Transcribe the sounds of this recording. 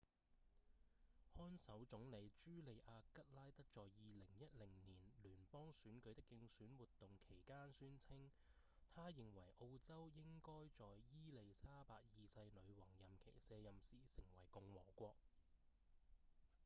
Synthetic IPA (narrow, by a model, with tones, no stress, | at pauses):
hɔː˥nsɐ˨˥wt͡sʊ˨˥ŋle˨˧jt͡ʃyː˥le˨˧jʔaː˧kɐ˥t̚laː˥jt̪ɐ˥k̚t͡sɔː˨jjiː˨lɪ˨˩ŋjɐ˥t̚lɪ˨˩ŋniː˨˩nlyː˨˩npɔː˥ŋsyː˨˥nkɵ˨˧˥t̪ɪ˥kːɪ˧ŋsyː˨˥nwuː˨t̪ːʊ˨ŋkʰe˨˩jkaː˥nsyː˥nt͡sʰɪ˥ŋ | t̪ʰaː˥jɪ˨ŋwɐ˨˩jʔo˧wt͡sɐ˥wjɪ˥ŋkɔː˥jt͡sɔː˨jjiː˥le˨˧jsaː˥paː˧k̚jiː˨˧sɐ˧jnɵ˨˧ɥwɔː˨˩ŋjɐ˨mkʰḛ˨˩jsɛː˨˧jɐ˨msiː˨˩sɪ˨˩ŋwɐ˨˩jkʊ˨˧ŋwɔ̰ː˨˩kʷɔː˧k̚